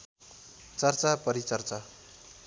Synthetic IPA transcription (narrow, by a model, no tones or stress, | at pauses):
t͡sʌrt͡sapʌɾit͡sʌrt͡sa